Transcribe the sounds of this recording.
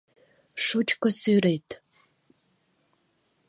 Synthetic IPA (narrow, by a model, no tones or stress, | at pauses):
ʂut͡ʃkʷʰɔsuːɾejtʰ